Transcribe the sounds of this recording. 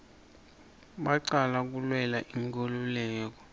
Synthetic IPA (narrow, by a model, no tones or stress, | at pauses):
ɓaǀalak̬ulwɛlaʔiŋkʼɔlulɛːk̬ɔ